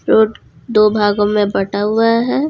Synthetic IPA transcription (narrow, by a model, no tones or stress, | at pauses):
ɾoːʈ | d̪oːbʱaːɡõmẽbɐʈaɦʊaɦɛː